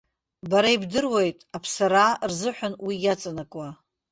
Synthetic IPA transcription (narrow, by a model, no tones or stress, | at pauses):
baɾaibdɨrwejtʼapʰsaɾarzɨħʷᶣanwijʲat͡sʼanakʷʼa